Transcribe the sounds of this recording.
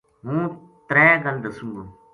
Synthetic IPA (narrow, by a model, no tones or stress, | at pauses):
ɦũː | t̪ɾɛːɡəld̪əsũŋɡoː